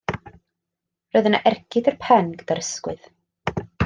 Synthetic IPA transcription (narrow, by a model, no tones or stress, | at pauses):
rojðənaʔɛrkʰɪdərpʰɛnɡdaɾəskwɨð